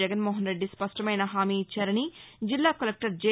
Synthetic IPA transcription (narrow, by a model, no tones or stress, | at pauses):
ɐɡɐnmoːɦɐnɾe̞ɖːispɐʂʈɐmɐjnɐɦaːmiːt͡ʃːaːɾɐnid͡ʒilːaːkɐlek̚ʈɐɾd͡ʒe